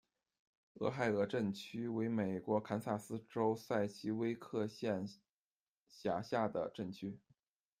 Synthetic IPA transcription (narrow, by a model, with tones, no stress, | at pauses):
ɤ̰˧˥xa˥˩ɪɤ˧˥ʈ͡ʂə˥˩nt͡ɕʰy˥we˧˥ɪme˨˩ɪkwɔ˧˥kʰa˧˥nsa˥˩sɹ̩˥ʈ͡ʂo˥ʊsa˥˩ɪt͡ɕʰi˥we˥ɪkʰɤ˥˧ɕjɛ˥˩n | ɕja˨˩ɕja˥˩d̪ə̰˩ʈ͡ʂə˥˩nt͡ɕʰy˥